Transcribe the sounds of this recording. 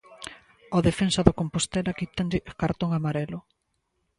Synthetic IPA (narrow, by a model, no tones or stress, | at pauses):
oðefensɐðokompost̪ɛlakit̪and̪ɪkaɾt̪oŋamaɾɛlʊ